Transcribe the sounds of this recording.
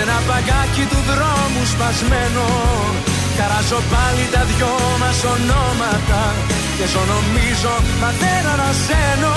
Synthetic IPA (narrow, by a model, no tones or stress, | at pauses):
enɐpɐɣacit̪uðɾomuspɐzmeno | kɐɾɐzo̞palit̪ɐðʝo | mɐsonomɐt̪ɐ | cezonomizo̞mɐθeɾonɐseno